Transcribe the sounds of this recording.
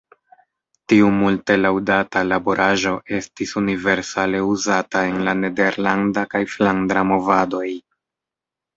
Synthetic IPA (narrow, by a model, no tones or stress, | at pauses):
tiumulte̞lawdatalabo̞ɾʔaʒo̞ʔe̞stisunive̞ɾsale̞uzatae̞nlane̞de̞ɾlandakajflandɾamo̞vado̞j